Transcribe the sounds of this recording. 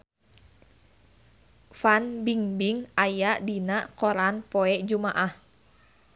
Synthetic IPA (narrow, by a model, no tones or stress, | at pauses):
fanbiŋbiŋajaʔdinaʔkɔɾanpoɛʔd͡ʒumaʔah